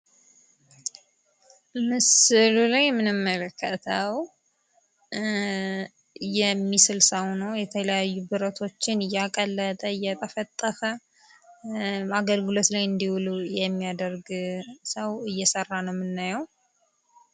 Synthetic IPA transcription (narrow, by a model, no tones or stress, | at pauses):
mɨsɨlulajmɨnɨmːələkʰːət̪ʰəw | jɛmːisɨlsəwnəwjɛt̪ʰələjajːubɨɾət̪ʰo̞t͡ʃːɪnɨjːakʼəlːət̪ʼəɨjːɛt̪ʼəfət̪ʼːəfə | aɡəlɡɨlo̞t̪lajɨnd̪iwlujɛmːijad̪əɾɡsəwɨjːɛsərːanəwmɨnːajəw